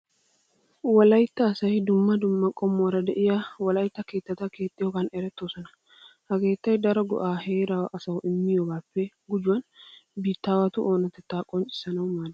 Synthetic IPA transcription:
wɐlɐjt̪ːɐːsɐjd̪ʊmːɐd̪ʊmːɐkʼɔmːʊwɐɾɐd̪ɛʔɪjawɐlɐjt̪ːɐke̞ːt̪ːɐt̪ɐke̞ːt̪ʼːɪjɔɡɐnɛɾɛt̪ːo̞ːsɔnɐ | hɐɡe̞ːt̪ːɐjd̪ɐɾɔɡɔ̰ʔaːhe̞ːɾawʔɐsɐwɔʔɪmːɪjɔɡaːpːɛ | ɡʊd͡ʒʊwɐnbiːt̪ːaːwɐt̪ʊʔo̞ːnɐt̪ɛt̪ːaːkʼɔnt͡ʃʼɪ̥sɐnɐwmaːl

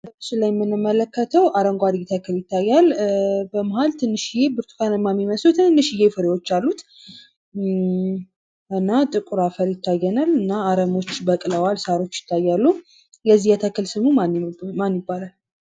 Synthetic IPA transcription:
t̪ɨʃilajɛmːɨnːɨmːələkːət̪ʰəwʔaɾəŋɡʷad̪jɛt̪ʰəkʰɨljɪt̪ʰːajːalbəmaɦalt̪ʰɨnːɨʃɪjebɨɾt̪ʰu̥kanɨmːamiməslut̪ʰɨnɨnːɨʃɪjefɨɾewo̞t͡ʃːalːut̪ | ʔɨnːat̪ʼɨkʼuɾafəɾjɪt̪ʰːajːɛnalɨnːaːɾəmo̞t͡ʃːbəkʼləwalsaɾo̞t͡ʃːjɪ̥t̪ʰːajːalːu | jɛzːijɛt̪ʰəkːɨlsɨmumanmanjɪbːalal

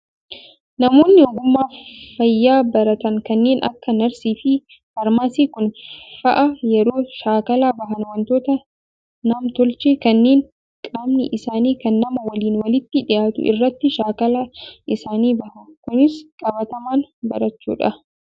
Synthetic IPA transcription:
nɐmo̞ːnːɪɔɡʊmːaːfɐjːaːbɐɾɐt̪ɐŋkɐnːeːnʔɐ̰kːɐnɐɾsiːfɪ | fɐɾmaːsiːkʊnfɐʔɐjɛɾoːʃaːkɐlaːbɐɦɐnwɐnt̪o̞ːt̪ɐ | naːmt̪ɔlt͡ʃeːkɐnːe̞ːŋ | kʼaːmnɪʔɪsaːniːkɐnːɐmɐwɐliːnwɐlɪt̪ːɪᶑɪjaːt̪ʊ̰ʔɪ̰rːɐt̪ːɪʃaːkɐlaːʔɪsaːniːbɐhɐkʊnɪskʼɐbɐt̪ɐmaːnbɐ̰ɾɐt͡ʃːṵːᶑɐ

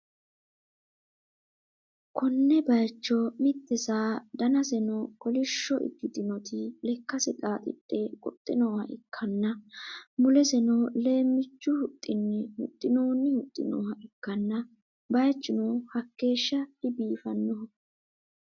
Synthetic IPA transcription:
kʰɔnːɛbɐjt͡ʃːɔmɪt̪ʼːɛsaːd̪ɐnɐsɛnɔkɔlɪʃːɔʔɪ̰d̪ːɪd̪ɪnɔt̪ʰɪlɛkːɐsɪtʼaːt̪ʼɪ̰tʼːeːkʼɔ̰t̪ʼːɪnoːhɐʔɪkʰːɐnːɐmʊlɛsɛnɔle̞ːmːɪt͡ʃːʊhʊt̪ʼːɪnːɪhʊ̰t̪ʼːɪnoːnːɪhʊt̪ʼːɪ̰no̰ːhɐʔɪkːɐnːɐ | bɐjt͡ʃːɪnoːhɐkːe̞ːʃːɐɪbiːfɐnːɔh

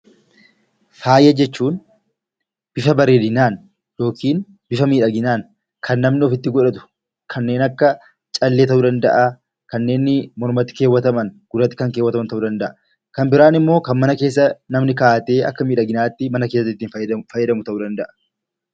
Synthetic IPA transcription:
faːjɐd͡ʒɛt͡ʃːuːn | b̥ɪfɐbɐɾeːd̪ɪnaːn | jo̞ːkʰiːn | b̥ɪfɐmiːᶑɐɡɪnaːn | kʰɐnːɐmnɪɔfɪt̪ːɪɡɔᶑɐt̪ʊ̥ | kʰɐnːe̞ːnɐkːɐ | t͡ʃʼɐlːeːt̪ɐʔuːd̪ɐnd̪ɐʔɐ | kɐnːe̞ːnːɪmɔɾmɐt̪ːɪ̥ke̞ːwːɐt̪ɐmɐnɡ̥ʊɾɐt̪ːɪ̥kɐŋke̞ːwːɐt̪ɐmɐnt̪ɐʔuːd̪ɐnd̪ɐʔɐ | kɐmbɪɾaːnɪmːo̞ːkɐnmɐnɐke̞ːs̬ːɐnɐmnɪkaːt̪ʼe̞ːɐkːɐmiːᶑɐɡɪnaːt̪ːɪmɐnɐke̞ːsːɐt̪ːɪt̪ːiːnfɐjːɛd̪ɐmʊt̪ɐʔuːd̪ɐnd̪ɐʔɐ̥

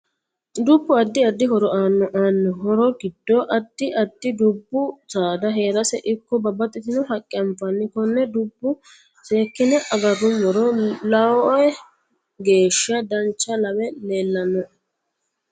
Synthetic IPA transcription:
d̪ubːʊɐd̪ːɪɐd̪ːɪɦɔɾɔaːnːɔʔaːnːɔɦɔɾɔɡɪd̪̥ːɔʔɐd̪ːɪʔɐd̪ːɪd̪ubːʊt͡saːd̪ɐɦe̞ːɾɐsɛʔɪkːɔbɐbɐt̪ʼːɪt̪ɪnʊhɐkʼːɪɐɱfɐnːɪkɔnːɛd̪ubːʊ | se̞ːkːɪnɛʔɐɡɐrʊmɔɾɔlɐwɔjɛ | ɡe̞ːʃɐd̪ɐnt͡ʃːɐlɐwɛleːlːɐnɔ

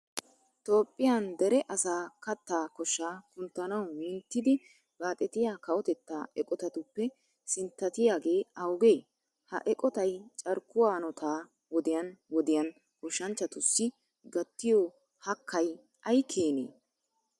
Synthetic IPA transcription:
t̪o̞ːpʼːɪjand̪ɛɾɛʔɐsaːkɐt̪ːaːkɔʃːaːkʊnt̪ːɐnɐwmɪːnt̪ːɪd̪ɪ | b̥aːt̪ʼɛt̪ɪjaːkɐʔɔt̪ɛt̪ːaːʔɛkʼɔt̪ɐt̪ʊpːɛ | sɪnt̪ːɐt̪ɪjaːɡe̞ːɐwʊɡe̞ː | hɐ̰ʔɛkʼɔt̪ɐjt͡ʃʼɐɾkːʊwaːnɔt̪ʰaː | wɔd̪ɪjɐnwɔd̪ɪjɐn | kɔʃːɐnt͡ʃːɐt̪ʊsːɪ | ɡɐt̪ːɪjɔ | hɐkʰːɐj | ɐjkʰeːnḛː

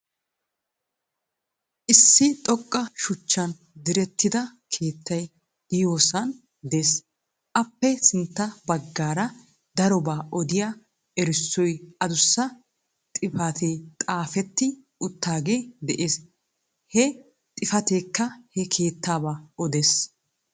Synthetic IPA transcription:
ʔɪsːɪt̪ʼɔkʼːɐʃʊt͡ʃːɐn | d̪ɪɾɛt̪ːɪd̪ɐkʰe̞ːt̪ːɐj | d̪̥ɪjoːsɐn | d̪e̞ːs | ʔɐpːɛsɪnt̪ːɐbɐɡːaːɾɐ | d̪ɐɾɔbaːʔɔd̪ɪja | ɛɾɪsːɔjɐd̪ʊsːɐ | t̪ʼɪfɐt̪eːt̪ʼaːfɛt̪ːɪ | ʊt̪ːaːɡe̞ːd̪ɛʔeːs | hɛ | t̪ʼɪfɐt̪eːkːɐhɛkʰe̞ːt̪ʰːaːbaːɔd̪eːs

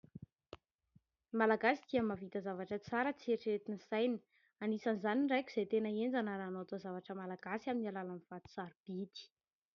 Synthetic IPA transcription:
malaɡasid̪̥iamavit̪azavaʈ͡ʂət͡saɾət͡sieɾʈ͡ʂɾet̪inisajnə̥ | anisanizaninrajkʲu̥z̥ejt̪enəend͡zanəɾaːnot̪azavaʈ͡ʂəmalaɡasiaminialalaniv̥at̪i̥saɾib̥id̪i̥

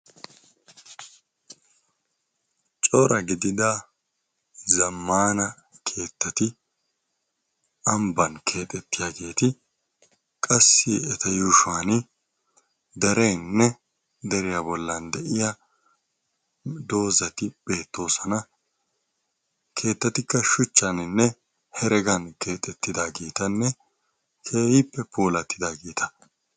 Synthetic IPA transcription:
t͡ʃʼɔɾɐɡɪd̪ɪd̪a | zɐmːaːnɐ | kʰe̞ːt̪ːɐt̪ɪ | ʔɐmbɐnkʰe̞ːt̪ʼɛt̪ːɪjaːɡe̞ːt̪ɪ | kʼɐsːɪɛt̪ɐjuːʃwaːnɪ | d̪ɛɾɛjnːɛ | d̪ɛɾɪjabɔlːɐnd̪ɛʔɪja | d̪o̞ːzɐt̪ɪb̥e̞ːt̪ːo̞ːsɐnɐ | kʰe̞ːt̪ːɐt̪ɪkːɐʃʊt͡ʃːɐnɪnːɛ | hɛɾɛɡɐnke̞ːt̪ʼɛt̪ːɪd̪aːɡiːt̪ɐnːɛ | kʰe̞ːhɪpːɛpoːlɐt̪ːɪd̪aːɡiːt̪ɐ̥

